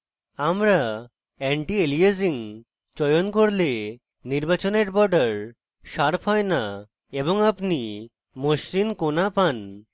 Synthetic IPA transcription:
amɾa | ɛɳʈieliesiŋ | t͡ɕɔjonkoɾle | niɾbat͡ɕoneɾbɔɖaɾ | ʃaɾpʰɔena | eboŋapni | moʃɾinkonapan

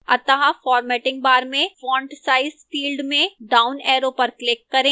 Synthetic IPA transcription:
ɐ̰t̪əɦafɔːɾmɛːʈɪ̃ŋɡ̚baːɾmẽfɔ̃ːɳʈsaːɪzfiːlɖmẽɖaːʊnɛːɾopɐɾklɪkːɐɾẽː

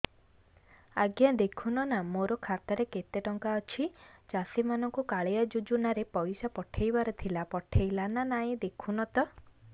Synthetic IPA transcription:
a̰ɡjad̪ekʰunɔnamoɾɔkʰat̪ɔɾeket̪eʈɔŋkaɔt͡ʃʰit͡ʃasimanɔŋkukaɭejɔd͡ʒud͡ʒunaɾepɔjsapɔʈʰejbaɾɔt̪ʰilapɔʈʰejlananaĩd̪ekʰunɔt̪ɔ

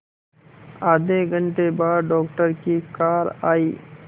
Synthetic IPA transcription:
aːd̪eɡʱəɳʈebaːɖɖɔːkʈəɾkikaːɾaːiː

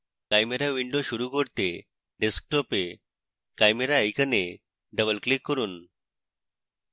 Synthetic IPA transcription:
kajmeɾaʋiɳɖoɕuɾukɔɾt̪e | ɖesk̚ʈɔpe | kajmeɾaəjkane | ɖəbəlklikːɔɾuːn

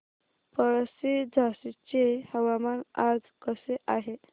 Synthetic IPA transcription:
pəɭəsid͡zʱasit͡ɕehəʋamanad͡zkəseʔaɦe

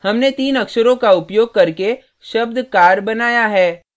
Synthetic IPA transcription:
hɐmnet̪iːnɐkʃəɾõkaʊpjoːɡ̚kɐɾke | ʃɐb̚d̪ʱkaːɾbɐnaːjaɦɛː

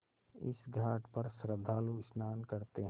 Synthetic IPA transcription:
ɪ̰sɡʱaːʈpɐɾsɾəd̪ʱːaːluɪsnaːnkɐɾt̪eɦ

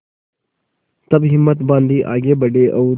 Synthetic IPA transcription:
t̪ɐbɦɪmːət̪bãːnd̪iːʔa̰ːɡeːbɐɖeːʔɐː

